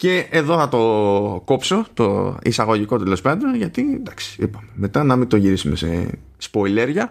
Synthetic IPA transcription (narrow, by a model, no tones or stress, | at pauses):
ce̞eðo̞θɐt̪o̞ko̞pso̞t̪o̞̰ḭsɐɣo̞ʝiko̞t̪elo̞spɐðɾoʝɐt̪id̪ɐksi̥ipɐmeme̞t̪ɐnɐmit̪o̞ʝiɾisume̞sḛ | spo̞ile̞ɾʝɐ